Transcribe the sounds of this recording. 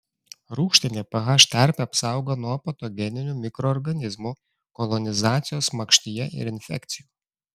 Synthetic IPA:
ɾuːkʃʲt̪ʲɪnʲeːpɐɣɑʃt̪ʲæˑɾʲpʲeɐpsɑˑʊɡonuɔpɐt̪ɔɡʲɛnʲɪnʲuːmʲɪkɾɔːɾɡɐnʲɪzmu | kɔlˠɔnʲɪzɑːt̪sʲɪjoːsmɐkʃʲt̪ʲɪjɛʔɪ̰ɾɪnʲfʲɛ̰kt̪sʲɪjuː

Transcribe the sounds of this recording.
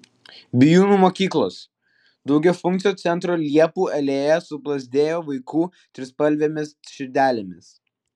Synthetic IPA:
bʲɪjuːnuːmoːkʲiːklˠoːs | d̪ɒʊɡʲɛfʊŋkt̪sʲɪjoːt̪sʲɛnt̪ɾoːlʲiɛpuːɛlʲeːjɛsʊplˠɐzʲd̪ʲeːjoːʋɐɪkuː | t̪ʲɾʲɪspɐlʲʋʲemʲɪsʃʲɪɾʲd̪ʲæːlʲemʲɪs

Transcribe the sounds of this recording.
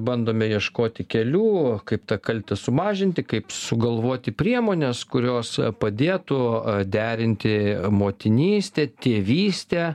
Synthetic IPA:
bɐnd̪oːmʲɛjiɛʃkoːt̪ʲɪkʲɛlʲuːkɐɪpt̪ɐkɐlʲt̪ʲɛsʊmɑːʒʲɪnʲt̪ʲɪkɐɪpsʊɡɐlˠʋoːt̪ʲɪpʲɾʲiɛmoːnʲɛskʊɾʲoːspɐd̪ʲeːt̪ʊd̪ʲæːɾʲɪnʲt̪ʲɪmoːt̪ʲɪnʲiːsʲt̪ʲɛːt̪ʲeːʋʲiːsʲt̪ʲe

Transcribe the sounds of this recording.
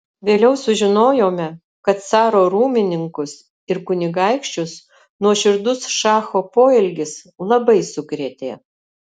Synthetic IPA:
ʋʲeːlʲɛʊsʊʒʲɪnoːjoːmʲɛ | kɐt̪sɑːɾoːɾuːmʲɪnʲɪŋkʊs | ɪɾkʊnʲɪɡɑˑɪkʃʲt͡ʃʲʊs | nuɔʃʲɪɾd̪ʊsʃɑːxoːpoːɛlʲɡʲɪs | lˠɐbɐɪsʊkɾʲeːt̪ʲḛː

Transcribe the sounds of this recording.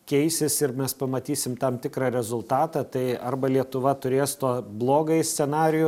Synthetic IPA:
kʲɛɪsʲɪsɪɾmʲɛspɐmɐt̪ʲiːsʲɪmt̪ɐmt̪ʲɪkɾɑːɾʲɛzʊlˠt̪ɑːt̪ɑːt̪ɐɪɐrbɐlʲiɛt̪ʊʋɐt̪ʊɾʲeːst̪uɔblˠoːɡɐɪsʲsʲɛnɑːɾʲɪjʊ

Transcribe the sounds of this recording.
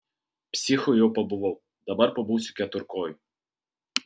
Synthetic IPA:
psʲixʊjɔpɔbʊʋɔw | d̪ɐbarpɔbuwsʲʊ̥kʲɛt̪ʊrkɔjʊ

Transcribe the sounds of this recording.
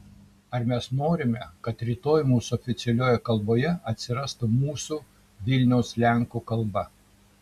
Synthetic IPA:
ɐɾmʲɛsnoːɾʲɪmʲɛkɐt̪ɾʲiːt̪oːjɪmuːsʊɔːfʲɪt̪sʲɛlʲoːjɛkɐlˠboːjɛɐt̪ʲsʲɪɾɐst̪umuːsuː | ʋʲɪlʲnʲɛʊslʲæˑŋkuːkɐlˠbɐ

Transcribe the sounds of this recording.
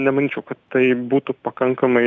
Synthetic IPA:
nʲɛmɐnʲiːt͡ʃʲɛʊkɐtt̪t̪ɐɪbuːt̪ʊpɐkɐŋkɐmɐɪ

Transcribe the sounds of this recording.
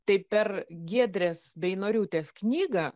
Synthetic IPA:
t̪ɐɪpʲɛrɡʲiɛd̪ʲɾʲeːsbʲɛɪnoːɾʲuːt̪ʲeːsknʲiːɡɐ

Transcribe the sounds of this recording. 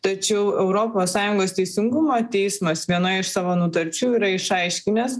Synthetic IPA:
t̪ɐt͡ʃʲɛʊʔɛʊɾoːpoːssɑːjʊŋɡoːst̪ʲɛɪsʲɪŋɡʊmoːt̪ʲɛɪsmɐsʋʲiɛnoːɪɪʃsɑːʋoːnʊt̪ɐɾʲt͡ʃʲuːiːɾɐɪʃɐɪʃʲkʲɪnʲɛs

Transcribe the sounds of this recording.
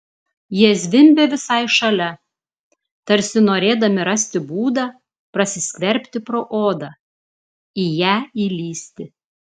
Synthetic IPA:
jiɛzʲʋʲɪmʲbʲeːʋʲɪsɐɪʃɐlʲɛ | t̪ɐɾʲsʲɪnoːɾʲeːd̪ɐmʲɪɾɐsʲt̪ʲɪbuːd̪ɑː | pɾɐsʲɪsʲkʲʋʲɛɾʲpʲt̪ʲɪpɾoːʔoːd̪ɑ | ijæːilʲiːsʲt̪ʲɪ

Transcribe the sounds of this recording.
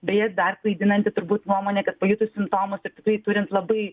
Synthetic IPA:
bʲɛjɛt̪d̪ɐrklˠɐɪd̪ʲɪnɐnʲt̪ʲɪt̪ʊɾbuːt̪nuɔmoːnʲeːkɐt̪pɐjʊt̪ʊsʲɪmpt̪oːmʊsɪrt̪ʲɪkrɐɪt̪ʊɾʲɪnt̪lˠɐbɐɪ

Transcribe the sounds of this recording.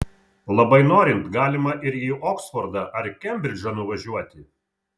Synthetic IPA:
lˠɐbɐɪnoːɾʲɪnt̪ɡɑːlʲɪmɐʔɪɾiːʔoːksfɔɾd̪ɑʔɐɾkʲɛmʲbʲɾʲɪd͡ʒʲɐnʊʋɐʒʲuɔt̪ʲɪ

